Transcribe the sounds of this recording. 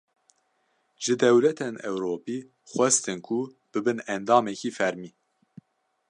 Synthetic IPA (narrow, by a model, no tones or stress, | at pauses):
ʒ̥ɨd̪ɛwlɛt̪ʰenɛwɾoːpiː | xʷɛst̪ɨnkʰu | b̥ɨbɨnɛnd̪ɑːmɛkiːfɛɾmiː